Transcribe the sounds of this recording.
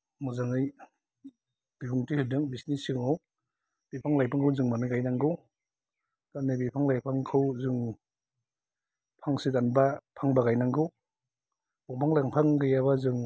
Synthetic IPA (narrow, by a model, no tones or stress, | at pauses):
muzaŋɯj | b̥ibuŋtɯhɯdɯŋbisnisiŋaw | b̥ipʰaŋlajpʰaŋkʰawzɯŋmanɯɡajnaŋɡɯw | kanɯbipʰaŋlajpʰaŋkʰɯwzɯŋ | pʰaŋsitanbapʰaŋbaɡajnaŋɡɯw | bɔŋpʰaŋlaaŋpʰaŋɡɯjabazɯŋ